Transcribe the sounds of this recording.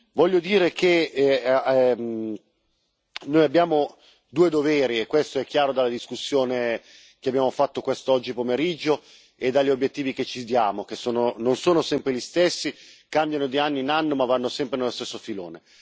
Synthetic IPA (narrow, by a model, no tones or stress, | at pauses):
vɔʎːod̪iːɾeke | noːjabːjaːmo | d̪uːed̪oveːɾiekːwest̪oɛkːjaːɾod̪alad̪iskusːjoːne | keabjaːmofat̪ːokwest̪oɔd͡ʒːipomeɾid͡ʒːo | ed̪aʎːiobjet̪ːiːviket͡ʃːid̪jaːmok̟esːoːnononsoːnosɛmpɾeʎist̪esːikambjanod̪ianːiːnanːomavːanːosɛmpɾenelost̪esːofilo̰ːne